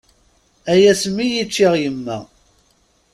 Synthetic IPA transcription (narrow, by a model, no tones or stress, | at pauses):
æjæsmːijit͡ʃːiʁjəmːæ̰